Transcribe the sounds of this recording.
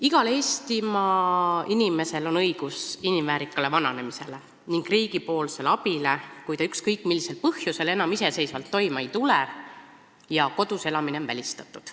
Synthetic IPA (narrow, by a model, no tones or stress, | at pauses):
iɡ̥ɑle̞ːst̪imɑinime̞se̞lo̞nɤjɡ̥usinimvæːɾikːˑɑle̞vɑnɑne̞mise̞le̞ | niŋɡ̥riːɡ̥ipo̞ːlse̞lɑb̥ile̞kujt̪ɑykskɤjkːˑmilːise̞lpɤhjuse̞le̞nɑmise̞se̞jsvɑlt̪ːo̞jmɑejt̪ule | jɑko̞d̪̥use̞lɑmine̞onvæ̰lʲist̪ɑt̪ːˑud̪̥